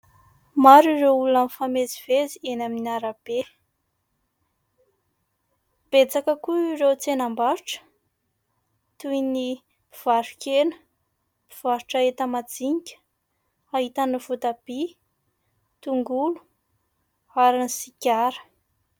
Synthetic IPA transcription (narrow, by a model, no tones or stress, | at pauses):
maɾireulunanfamezivezienaminiaɾab̥e | b̥et͡sakəkuirewt͡senambaɾuʈ͡ʂə̥ | t̪ujni | iv̥aɾukenə̥ | piv̥aɾuʈ͡ʂaet̪əmad͡ziɲikʲə̥ | aɦit̪aniv̥ut̪ab̥i | t̪uŋɡulu̥ | aɾanisikʲaɾə̥